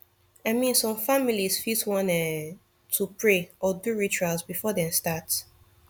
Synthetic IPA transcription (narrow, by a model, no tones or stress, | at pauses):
aɪmĩnsɔ̃mfamilisfiswɔ̃nɛ | tʰupɹeʔɔduɹit͡ʃualsbifɔdɛ̃mstat